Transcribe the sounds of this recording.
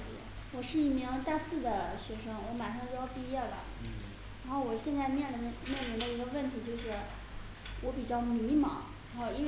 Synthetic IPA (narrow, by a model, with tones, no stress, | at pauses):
t͡ɕḭ˧˥ | wɔ˨˩ʂɻ̩˥˧i˥˩mi˧˥ŋt̪a˥˧sɹ̩˥˩d̪ə˩ɕɥɛ˧˥ʂɤ˥ŋwɔ˧˥ma˨˩nʂɑ˥˧ŋjo˥˧˥jʊpi˥˧jɛ˥˩lə̰˩ | ɻa˧˥nxo˥˩ʊwɔ˨˩ɕjɛ˥˧nt͡sa˥˧ɪmjɛ˥˩nlə˩˧mjɛ˥˩nmi˧˥ŋd̪ə˧i˧˥ɡə˧fə˥˩nt̪ʰi˧˥t͡ɕjo˥˧ʊʂɻ̩˥˩ | wɔ˧˥pi˨˩t͡ɕjɑ˥˩ʊmi˧˥mɐ̰˨˩ | a˧˥nxo˥˧ʊi˥ne˥˩